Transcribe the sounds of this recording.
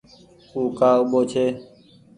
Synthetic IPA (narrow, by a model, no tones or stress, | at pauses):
uːkaːʊɓoːt͡ʃʰeː